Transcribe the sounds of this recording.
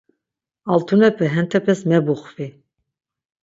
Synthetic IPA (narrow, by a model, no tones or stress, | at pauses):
alt̪ʰunɛpʰɛɦɛnt̪ʰɛpʰɛsmɛbuχvi